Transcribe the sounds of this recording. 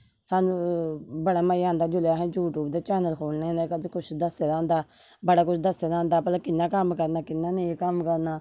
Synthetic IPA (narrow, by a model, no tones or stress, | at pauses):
saːnũbəɽaːməãːnd̪aːd͡ʒʊleɦɛ̃juːʈuːbd̪aːt͡ʃɛːnəlkʰoːlnãnd̪akəd͡ʒkʊt͡ʃʰd̪əseɾãːnd̪aː | bəɽaːkʊt͡ʃʰd̪əsedãːnd̪aːpəlkɪnːaːkəmkəɾnaːkɪnːaːnẽkəmkəɾnaː